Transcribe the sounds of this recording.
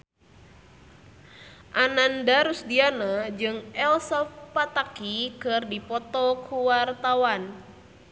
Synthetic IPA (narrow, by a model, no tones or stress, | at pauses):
ʔanandaɾusdianad͡ʒɨŋɛlsɔfpat̪akikɨrdipɔt̪ɔkʰuwart̪awan